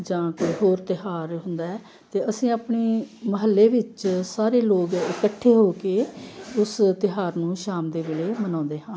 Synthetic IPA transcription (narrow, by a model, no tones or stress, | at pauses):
d͡ʒãːkoiɦoːɾt̪ɪɦaːɾɦʊnd̪aːɛː | t̪eːəsĩːaːpɳeːməɦəlːeːʋɪt͡ʃsaːɾeːloːɡɪkəʈʰːeːɦoːkeːʊst̪ɪɦaːɾnũːʃaːmd̪eːʋeːleːmənãːnd̪eːɦãː